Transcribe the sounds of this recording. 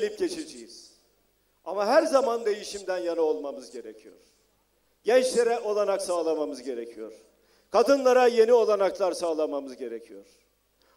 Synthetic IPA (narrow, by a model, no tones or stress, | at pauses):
lʲip̚ɟe̞t͡ʃʰed͡ʒejiz̥ | amaɦæɾzamand̪e̞jiʃimd̪ænjanao̞lˠmamɯzɟe̞ɾecʰijo̰ɾ̥ | ɟ̥ɛnt͡ʃlʲe̞ɾɛʔo̞lˠanaksaːlˠamamɯzɟe̞ɾecʰijo̰ɾ̥ | kʰad̪ɯnlˠaɾaje̞nio̞lˠanaklˠaɾsaːlˠamamɯzɟe̞ɾecʰijoɾ̥